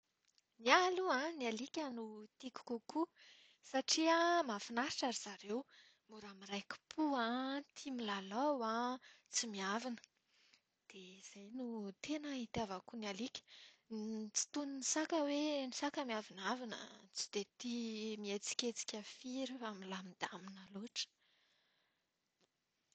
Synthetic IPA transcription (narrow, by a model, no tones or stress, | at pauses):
mialuãnialikʲanut̪iku̥kuku | saʈ͡ʂiəmafinaɾi̥ʈ͡ʂaɾiz̥aɾew | muɾamiɾajku̥pʰuãt̪ʰimilalawã | t͡simiavinə̥ | d̪̥ez̥ajnut̪enait̪javakunalikʲə̥ | t͡si̥t̪uninisakəwenisakəmiavinavinə̰t͡si̥d̪̥et̪imiet͡si̥kʲet͡si̥kʲafiɾifamilamid̪aminaloʈ͡ʂə̥